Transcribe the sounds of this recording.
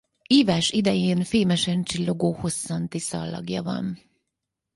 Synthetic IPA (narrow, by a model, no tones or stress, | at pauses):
iːvaːʃid̪ɛjeːnfeːmɛʃɛnt͡ʃilːo̞ɡoːho̞sːɒnt̪isɒ̰lːɒ̰ɡjɒvɒ̰n